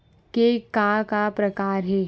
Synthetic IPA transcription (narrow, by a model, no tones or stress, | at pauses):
kekakapɾɐkaːɾɦɛː